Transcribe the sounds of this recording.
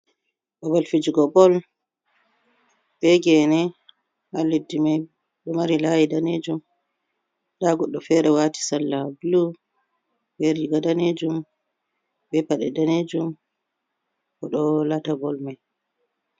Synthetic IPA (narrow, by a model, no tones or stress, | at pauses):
ɗɔbɔlfid͡ʒiɡɔbɔl | bɛɡɛnɛ | malːidːimaj | ɗɛmaɾilajidaned͡ʒum | daɡɔɗːɔfɛɾɛwati̥salːablu | bɛɾiɡadaned͡ʒum | bɛpaɗɛdaned͡ʒum | kɔɗɔlatabɔlmaj